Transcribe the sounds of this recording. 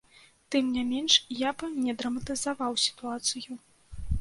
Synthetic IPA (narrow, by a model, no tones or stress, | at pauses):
t̪ɨmnʲamʲenʂjabnʲɛd̪ɾɐmɐt̪ɨzavawsʲi̥t̪uat̪sɨju